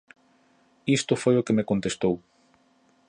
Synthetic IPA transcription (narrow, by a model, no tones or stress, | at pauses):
ist̪ʊfojokemekont̪est̪ow